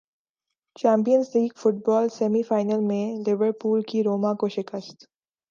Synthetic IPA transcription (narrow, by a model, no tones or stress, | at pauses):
t͡ʃɛ̃ːmp̬ijənsliːɡfʊʈ̚bɔːlsɛːmifaːɪnəlmẽlɪʋəɾpuːlkiɾoːmãkoʃɪkəst̪